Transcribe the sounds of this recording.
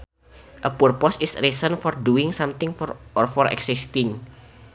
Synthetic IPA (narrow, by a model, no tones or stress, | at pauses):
ʔəpurpɔsɪsrisənfɔrduɪŋsamt̪ɪŋɔrfɔrɛ̰ksɪst̪ɪŋ